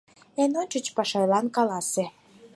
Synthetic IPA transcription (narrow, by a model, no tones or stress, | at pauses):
enonʲt͡ɕə̆t͡ɕpɑʃɑjlɑnkɑlɑsĕ